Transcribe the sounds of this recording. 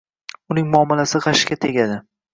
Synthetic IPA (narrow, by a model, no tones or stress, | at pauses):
ʊnɪŋmʊɒmɪlasɪʁɑʃkʲat̪ʰe̞ɡʲad̪ɪ